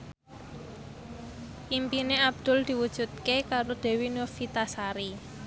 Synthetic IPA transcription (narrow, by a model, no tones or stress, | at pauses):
ʔimpineab̚d̪̥ʊ̤ld̪̥i̤wud̥ʒ̥ṳt̪̚kekaɾod̪̥e̤winʊrfit̪asaɾi